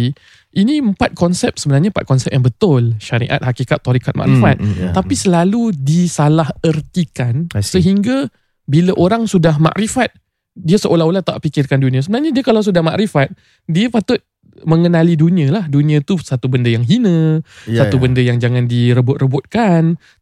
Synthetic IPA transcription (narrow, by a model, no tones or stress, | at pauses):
ʔiniəmpat̪̚kɔnsɛp̚səbənarɲaəpa̰t̪̚kɔnsɛp̚jaŋbət̪ʊlʃaɾḭʔa̰t̪̚hakikat̪ːoɾikat̪̚ma̰ʔɾifat̪̚ːapisəlaludisalahərt̪ikansəɦiŋɡa | bilaʔoɾaŋsudahma̰ʔɾifat̪̚ | diasəʔolaɦolat̪aʔpikɪrkandunĩãsəbənarɲadiakalaws̬udahma̰ʔɾifat̪̚ | diapat̪ʊt̪̚ | məŋənalidunĩə̃lahdunĩãt̪usat̪ubəndəjaŋɦinə̃sat̪ubəndəjaŋd͡ʒaŋandiɾəbʊt̪̚rəbʊt̪̚kan